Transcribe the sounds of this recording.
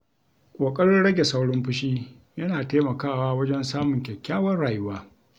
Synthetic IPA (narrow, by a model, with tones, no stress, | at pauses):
kʷʼoː˨kʼɐ˦ɽɪ˦nɽɐ˦ɡʲe˨sa˦wɽɪ˦mɸʊ˦ʃiː˦ | jɐ˦naː˨teː˦mɐ˨kaː˦˨waː˦wɐ˦d͡ʒɛ˦nsaː˦mʊ˨ŋkʲɛ˨kʲːaː˦wɐ˦rɽaː˨jʊ˦waː˦